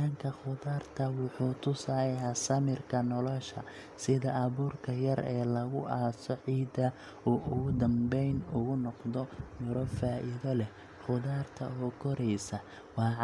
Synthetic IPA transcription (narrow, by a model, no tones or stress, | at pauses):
ɐŋkʰɐχʊðaːrt̪ʰɐwʊħuːt̪ʰʊsahaːsɐmɪrkʰɐnɔlɔʃɐ̰ | sɪðɐʔɐβuːrkʰɐjɐɾɛːlɐɣʊʔaːsɔʕiːd̪ɐ | uːʔʊɣʊd̪ɐmbɛjnʊɣʊnɔqd̪ɔmʊɾɔfaːʔɪðɔlɛ | χʊðaːrt̪ʰɐɔːkʰɔɾɛjsɐ | wɑːʕ